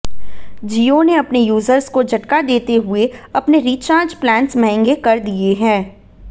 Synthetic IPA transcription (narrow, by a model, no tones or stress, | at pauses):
d͡ʒiːoneɐpnejuːzəɾzkod͡ʒʱɐʈkad̪eːt̪eɦʊeɐpneɾiːt͡ʃãːɾd͡ʒplɛ̃ːɳsmɐɦɛ̃ŋɡekɐɾd̪ieɦɛ̃ː